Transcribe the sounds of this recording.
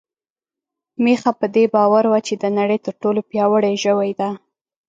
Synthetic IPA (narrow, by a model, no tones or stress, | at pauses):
mexapəd̪ebɑwaɾwat͡ʃed̪ənaɽəjt̪əɾʈolopjɑwəɽeʒəwajd̪a